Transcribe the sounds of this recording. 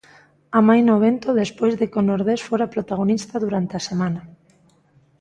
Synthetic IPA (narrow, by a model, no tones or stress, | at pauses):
amajnoβ̞ent̪oðespojzðekonoɾðesfoɾapɾot̪aɣ̞onist̪aðuɾant̪easemãna